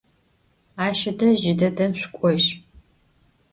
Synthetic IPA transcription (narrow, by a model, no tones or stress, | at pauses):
aːʃɐdɐʒɪdɐdɐmɕʷkʷʼɔʒ